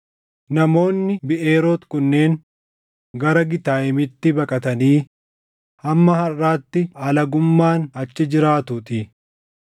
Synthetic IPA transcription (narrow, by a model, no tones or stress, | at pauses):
nɐmo̞ːnːɪbɪʔe̞ːɾoːt̪kʊnːe̞ːŋ | ɡɐɾɐɡɪt̪aːɪmɪt̪ːɪbɐkʼɐt̪ɐniː | hɐmːɐhɐrːaːt̪ːɪɐlɐɡʊmːaːnɐt͡ʃːɪd͡ʒɪɾaːt̪ʊt̪ɪ